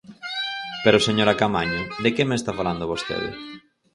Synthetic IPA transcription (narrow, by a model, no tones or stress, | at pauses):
peɾoseɲoɾakamaɲiðekemest̪afaland̪ʊβost̪ḛw̰